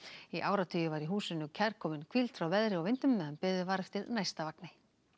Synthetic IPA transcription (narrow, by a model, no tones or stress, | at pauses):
iʔaːwɾat̪ʰʏːjʏvaɾiɦuːsʏnːʏcʰɛɾ̥kʰɔːmɪnkʰvilt̪fɾawvɛðɾɪɔvɪnt̪ʏmːɛðhanpɪːðɪvaːɾɪft̪ʰɪlnajst̪avaknɪ